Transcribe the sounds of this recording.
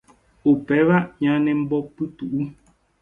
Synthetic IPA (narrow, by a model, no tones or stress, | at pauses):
opɛβaʔɲanɛm̩bɔpːɨtuʔu